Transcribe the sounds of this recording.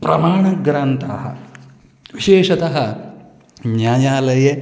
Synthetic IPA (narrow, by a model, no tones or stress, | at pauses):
pɾɐmaːɳɐɡɾɐnt̪ʰaːɦɐ̰ | ʋiʃeːʃɐt̪ɐɦɐ | njaːjaːlɐje